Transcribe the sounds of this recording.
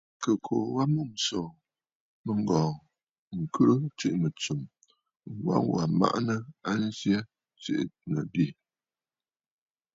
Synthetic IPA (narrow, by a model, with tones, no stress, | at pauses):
kə˨kʰo˨wa˦mu˦˨m̩˨sɔ˨ | mə˦ŋ˦ɡɔ̃ː˨ŋ | ŋ̩˨kʰə˦ʔt͡ʃi˦ʔnə˨t͡su˨m | ŋ̩˨wa̰˦ŋ˦wa˨ma̰˦ʔnə˦a˦n̩˦zje˦ | t͡ʃḭ˦ʔnə̰˨bi˦˨